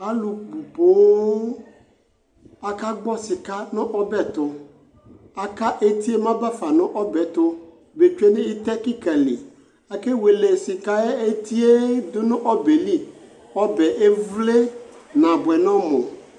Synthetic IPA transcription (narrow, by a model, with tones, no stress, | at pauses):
a˦lu˨k͡pu˨po˨˦ | a˨ka˦ɡ͡bɔ˦si˨ka˦nʊ̃˦ʔɔ˦bɛ˦t̪ʊ˨ | a˨ka˦ʔe˦t̪i˦e˦mã˦ba˦fa˨nʊ̃˦ʔɔ˦bɛ˨t̪ʊ˦ | be˨t͡ʃe˦nẽ˦i˦t̪ɛ˦ki˦kɛ˨lḭ˨ | a˨ke˦we˨le˨si˨ka˦e˦e˦t̪i˦e˦d̪ʊ˦nʊ̃˦ʔɔ˦be˨li˦ | ɔ˦bɛ˨ʔe˦vle˦nã˨bwɛ˨nɔ̃˦mõ˨